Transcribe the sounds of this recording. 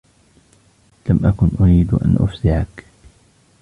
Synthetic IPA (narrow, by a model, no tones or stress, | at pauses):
lamʔakʊnʔʊɾiːd̪ʔa̰nʔʊ̰fsɪʕak